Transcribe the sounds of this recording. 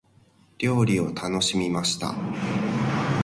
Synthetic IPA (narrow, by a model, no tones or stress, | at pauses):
ɾʲo̞ːɾʲio̞t̪ʰano̞ɕimʲimaɕi̥t̪a̰